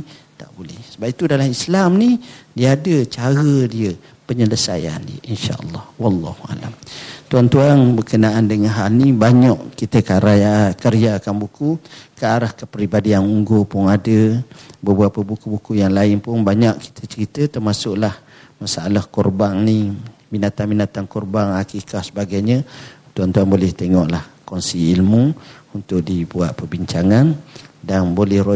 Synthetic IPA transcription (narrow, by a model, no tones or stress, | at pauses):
t̪a̰ʔbolɛhsəbap̚it̪udalamislamnidiəadət͡ʃaɾədiə | pəɲələsa̰ja̰ndiə̰ʔinʃa̰ʔə̰lːɑhwɑlːɑ̰hua̰lamt̪uant̪uanbərkənaʔandəŋanɦalnibaɲaʔkit̪əkaɾakəɾiakanbukukəaɾahkəpɾibadianuŋɡopʊŋadəbəbuapəbukubukujaŋlaɪnpʊnbaɲaʔki̥t̪ʰət͡ʃəɾit̪ət̪ərmasʊʔlah | masaʔalahkɔrbaŋnibinat̪anbinat̪ankɔrbaŋakikahsəbaɡajɲə̃t̪uant̪uanbolɛht̪eŋɔʔlahkɔnsiːlmuunt̪ʊkʔ̚dibuat̪̚pərbiɲt͡ʃaŋandanbolɛhro